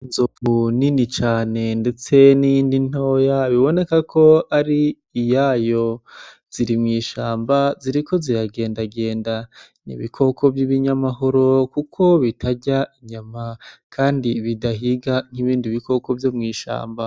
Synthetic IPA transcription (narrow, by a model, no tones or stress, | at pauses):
inzovuninit͡ʃaːne̞nde̞t͡se̞nijindin̥oːjaβiβo̞ne̞kakʰo̞aɾiː | jajo̞ | z̥iɾimŋiːʃaːmbaziɾiko̞zijaɡe̞ːndaɡe̞ːnda | nḭβḭkʰo̞kʰo̞vjiβiɲamaɦoɾokukʰo̞βitʰaɟaiɲamakʰaːndiβidaɦiɡaŋ̥hiβiːndiβiko̞ko̞vjomŋiːʃa̰ːmba